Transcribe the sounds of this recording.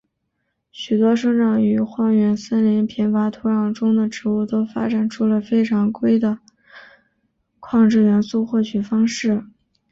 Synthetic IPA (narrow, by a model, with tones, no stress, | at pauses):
ɕy˨˩t̪wɔ˥ʂɤ˥ŋʈ͡ʂɑ˥˩ŋy˧˥xwɑ˥˩ŋɥɛ˧˥nsə˥nli˧˥npʰi˧˥nfa˧˥t̪ʰu˧˥ɻɑ˨˩ŋʈ͡ʂʊ˥ŋd̪ə˨ʈ͡ʂɻ̩˧˥u˥˩t̪o˥ʊfa̰˥ʈ͡ʂa˨˩nʈ͡ʂʰu˥˩lə˨fe˥ɪʈ͡ʂʰɑ˧˥ŋkwe˥ɪd̪ə˨ | kʰwɑ˥˧ŋʈ͡ʂɻ̩˥˩ɥɛ˧˥nsu˥˧xwɔ˥˩t͡ɕʰy˨˩fɑ˥ŋʂɻ̩˥˩